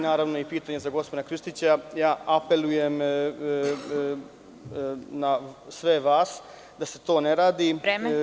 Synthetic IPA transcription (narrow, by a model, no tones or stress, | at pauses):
naːɾaʋnoipiːt̪aɲezaɡo̞spod̪akɾɨʃt̪it͡ɕajaːʔape̞lujem | nasʋe̞ʋaːs | d̪aset̪o̞ːneɾaːd̪i